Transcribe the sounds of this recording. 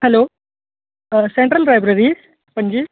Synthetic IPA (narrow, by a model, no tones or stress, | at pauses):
hɛloː | seɳʈɾɐlɾajbɾiɾi | pəɲd͡ʑi